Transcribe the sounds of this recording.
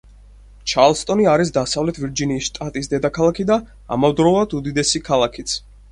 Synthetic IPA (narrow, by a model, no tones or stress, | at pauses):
t͡ʃʰaɾlˠst̪ʼɔniaɾis̬d̪asavlɛt̪ʰviɾd͡ʒiniːsʃt̪ʼat̪ʼis̬d̪ɛd̪akʰalˠakʰid̪a | a̰mavd̪ɾɔulˠad̪ud̪id̪ɛsikʰalˠakʰit̪sʰ